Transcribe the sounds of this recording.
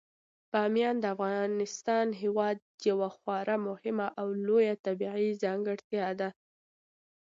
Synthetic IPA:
pɑmjɑnd̪əafɣɑnɪst̪ɑnɦewɑd̪̚jawaxwɑɾʔamʊhɪmaʔawlojat̪abiʕizɑŋɡəɽt̪jɑd̪a

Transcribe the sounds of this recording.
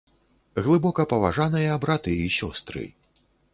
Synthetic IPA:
ɣlˠɨbɔkɐpɐvaʐanɨjɐbɾat̪ɨisʲɔst̪ɾɨ̰

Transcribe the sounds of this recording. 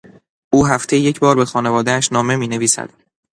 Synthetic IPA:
ʔuːɦæft̪ʰe̞jjecʰbɒːɾbe̞xɒːne̞vɒːd̪ææʃnɒːme̞miːne̞viːsæ̰d̪̥

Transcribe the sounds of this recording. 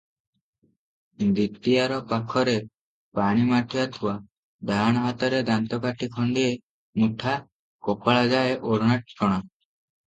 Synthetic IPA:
d̪it̪ːiaɾɔpakʰɔɾe | paɽ̃imaʈʰiat̪ʰuwa | d̪ʱaɽ̃at̪ɔɾed̪ant̪ɔkaʈʰikʰɔɳɖie | muʈʰa | kopaɭad͡ʒaeʔoɾɳaʈ̚t͡ʃʰɔɽ̃a

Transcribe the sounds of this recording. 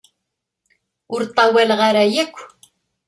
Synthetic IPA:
ʊɾt̪ˤːɑwælʁaɾæjækʷː

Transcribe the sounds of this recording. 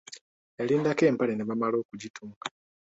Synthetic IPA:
e̞liːndake̞ːmpaleneβamalo̞ːkuɟitʰuːŋkḁ

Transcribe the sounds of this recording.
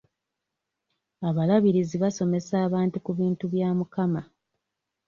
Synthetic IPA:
aβalaβiɾiziβaso̞me̞saːβaːntukuβiːntuβjaːmukama

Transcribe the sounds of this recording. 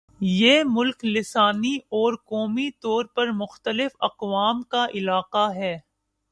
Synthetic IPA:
jeːmʊlklɪsaːniɔːɾkɔːmit̪ɔːɾpɐɾmʊxt̪əlɪfɐ̰qʋaːmkaʔɪlaːqaɦɛː

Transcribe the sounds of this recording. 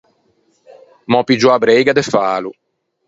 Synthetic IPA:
mɔpid͡ʒuabɾejɡad̪ɛfaːlu

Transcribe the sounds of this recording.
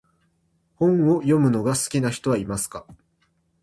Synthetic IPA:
hõ̞ɴ̃o̞jo̞mɯ̟no̞ɡasɨ̥kʲinaçi̥t̪o̞βaimasɨ̥ka

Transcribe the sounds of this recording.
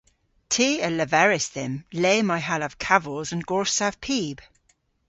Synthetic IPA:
tʰiːələvɛɹɪsðɪmleːmaɪɦaləv̥kʰavɔlˠzə̃nɡɔɹsav̥pʰiːb̥

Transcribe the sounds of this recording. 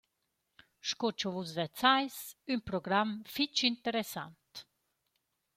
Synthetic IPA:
ʃkot͡ʃɔvuzvɛt͡sajsynpɾɔɡɾamfit͡ʃint̪əɾesa̰nt̪

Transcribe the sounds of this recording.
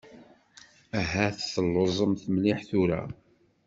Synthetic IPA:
æɦæθθəlːozˤəmθəmlɪħθuɾæ̰

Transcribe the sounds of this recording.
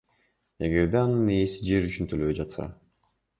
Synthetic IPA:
eɡe̞ɾd̪eɑnɯnejesid͡ʒe̞ɾyt͡ʃynt̪ʰøløβed͡ʒɑt̪sɑ̰

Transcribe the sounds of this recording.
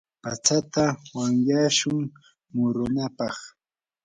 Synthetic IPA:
pat͡ʃat̪awaŋjaʃʊŋ | mʊɾʊnapɑχ

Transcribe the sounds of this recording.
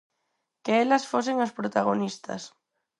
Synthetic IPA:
keɛlɐsfos̬eŋaspɾot̪aɣ̞onist̪ɐ̰s

